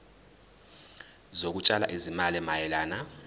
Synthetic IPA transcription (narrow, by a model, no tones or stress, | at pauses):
zok̬ut͡ʃʼala̰ʔizimalɛmajɛlaːna